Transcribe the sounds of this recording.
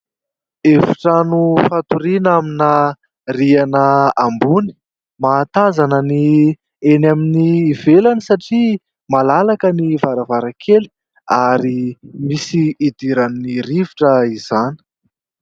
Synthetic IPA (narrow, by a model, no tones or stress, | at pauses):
efi̥ʈ͡ʂanufat̪uɾinamina | rianəambuni̥ | mat̪azanəni | enaminiːvelanisaʈ͡ʂi | malalakənivaɾavaɾakʰeli̥ | aɾimisiːd̪iɾanːiriviʈ͡ʂəiz̥ani̥